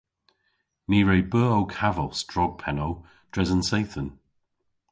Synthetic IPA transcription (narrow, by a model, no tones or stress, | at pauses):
miːɹejbɜːowkʰavəlˠsd̥ɹɔɡ̚pʰɛnow | d̥ɹɛzənsejθən